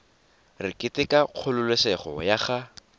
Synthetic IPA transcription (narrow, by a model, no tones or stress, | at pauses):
rɪkʼɪtɪkʼaq͡χʰʊlʊlwesɛχɔ̰jaχa